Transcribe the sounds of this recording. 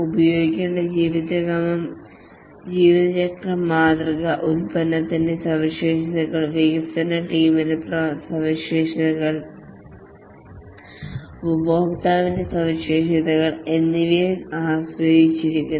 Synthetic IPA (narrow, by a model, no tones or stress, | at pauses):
ubɐjoːɡikʲːeːɳɖɐd͡ʑiːʋiðɐɐmɐm | d͡ʑiːʋiðɐt͡ɕɐkrɐmːaːd̪rɐɡɐʔulpɐnːɐt̪ːindesɐʋiʂeːʂɐðɐɣɐɭʋiɡɐt̪ɐnːɐʈiːmineprɐsɐʋiɕeːʂɐðɐɣɐɭ | ʋuboːkt̪aːʋindesɐʋiɕeːʂɐðɐɣɐɭenːiʋiaːsɾɐɦit͡ɕːiɾikʲːun